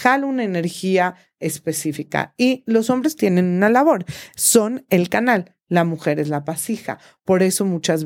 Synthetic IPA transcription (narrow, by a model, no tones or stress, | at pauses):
alunaene̞ɾxia | e̞spe̞sifika̰ilo̞so̞mbɾe̞st̪je̞nẽ̞nunalaβo̞ɾso̞ne̞lkanalː | amuxe̞ɾe̞zlapasixa̰ | po̞ɾe̞so̞mut͡ʃaz